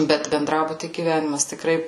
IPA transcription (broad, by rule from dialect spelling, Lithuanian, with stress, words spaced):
ˈbʲɛt bʲɛnˈdrɑːbʊtʲiː ɡʲiːˈʋʲæːnʲɪmɐs tʲɪkˈrɐɪ